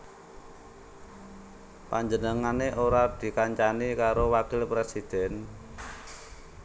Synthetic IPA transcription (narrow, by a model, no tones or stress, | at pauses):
paɲd͡ʒənəŋaneʔoɾad̪̥i̤kaɲt͡ʃanikaɾowakɪlpɾesid̪̥ɛ̤n